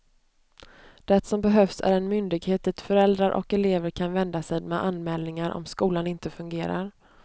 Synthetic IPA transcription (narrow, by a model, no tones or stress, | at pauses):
d̪̥ɛt̪sɔmbɛɦœfsæ̰ɾɛnmʏnd̪ɪɡheːt̪̚ɛt̪fœɾɛld̪ɾaɾʔɔ̰kɛleːvəɾkʰanvɛnd̪asɛmɛʔanmɛːlnɪŋaɾʔɔ̰mskuːlanɪnt̪əfɵŋɡeːɾa̰ɾ